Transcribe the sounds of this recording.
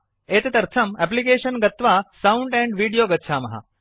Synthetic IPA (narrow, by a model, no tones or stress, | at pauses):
eːt̪et̪ɐɾt̪ʰɐmɛp̬likeːɕənɡɐt̪ʋasauɳɖɛ̃ɳɖʋiːɽijoːɡɐtːɕʰaːmɐɦa̰